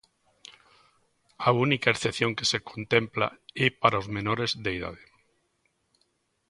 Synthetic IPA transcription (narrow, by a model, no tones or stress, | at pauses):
aunikaeɾθeθjõŋkesekʰont̪empla̰ɛpaɾaozmenoɾezðeiða̰ðe